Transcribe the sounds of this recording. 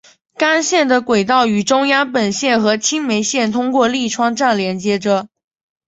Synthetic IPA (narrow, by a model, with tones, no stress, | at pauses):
ka˥nɕjɛ˥˩nd̪ə˩kwe˨˩ɪt̪ɑ˥˩ʊy˨˩ʈ͡ʂʊ˥ŋjɑ˥ŋpə˨˩nɕjɛ˥˩nxɤ˧˥t͡ɕʰi˥ŋme˧˥ɪɕjɛ˥˩nt̪ʰʊ˥ŋkwɔ˥˧li˥˩ʈ͡ʂʰwɑ˥ŋʈ͡ʂa˥˩nljɛ˧˥nt͡ɕjɛ˧˥ʈ͡ʂə˧